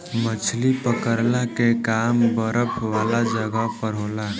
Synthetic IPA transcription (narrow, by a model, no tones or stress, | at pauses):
mət͡ʃʰlipəkəɾlakekaːmbəɾəpʰʋaːlad͡ʒəɡəpəɾ̤oːla